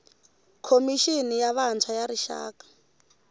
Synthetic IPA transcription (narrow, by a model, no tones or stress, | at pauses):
kʰomiʃinijaβant͡sʰajaɾiʃa̰ːkḁ